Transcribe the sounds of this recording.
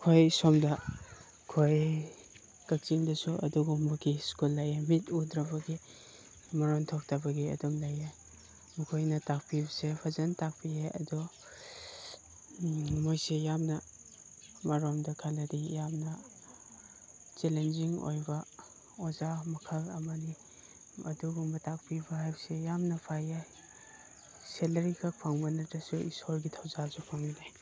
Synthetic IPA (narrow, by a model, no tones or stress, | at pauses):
kʰojsɔmdɐ | kʰoj | kɐk̚t͡ʃiŋdɐsuʔɐ̰duɡɔːɔkiskulːajemitudɾɐbɐɡi | maɾɔntʰɔk̚tʰɐbɐɡiɐ̰dɔmlaje | mukʰojnɐtak̚pibɐsepʰazɐntak̚pʰieɐ̰dɔ | mojsejamnɐ | maɾɔmdɐkʰalɐdijamnɐ | t͡ʃelenziŋo̰jbɐ | ɔzamɐkʰɐlɐmɐdi | ɐ̰duɡumbɐtak̚pibahajbsejamnɐpʰajaj | selɐɾikʰak̚pʰaŋbɐnɐdɐsuḭsoɾɡitʰawzazupʰaŋinaj